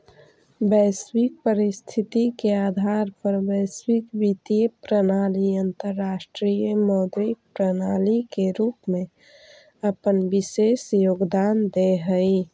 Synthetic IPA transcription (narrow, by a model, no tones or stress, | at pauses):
bəswik̚pəɾist̪ʰit̪ikeaːd̪ʱaɾpəɾbəswikbit̪iəpɾənaliənt̪əɾːasʈɾijəmɔːd̪ɾik̚pɾənalikeɾupmẽ | əpənbisesjoɡd̪and̪eɦəi